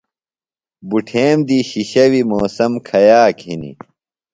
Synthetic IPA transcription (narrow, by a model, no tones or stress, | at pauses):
buʈʰeːmd̪iɕiɕɐwimoːsɐmkʰɐjaːkinḭ